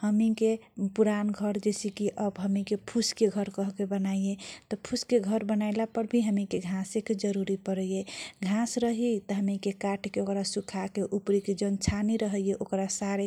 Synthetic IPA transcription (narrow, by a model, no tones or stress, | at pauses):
həmikepuɾanɡʱəɾd͡ʒesikiʔəbɦəmikepʰuskeɡʱəɾkəɦkebənajet̪ɔpʰuskeɡʱəɾbənaɪlapəɾbʱiɦəmikeɡʱãseked͡ʒəɾuɾipəɾəjeɡʱãsɾəɦit̪ɔɦəmikekaʈʰkeokɾasukʰakeʔupɾiked͡ʒənt͡ʃʰaniɾəɦəjeʔokɾasaɾe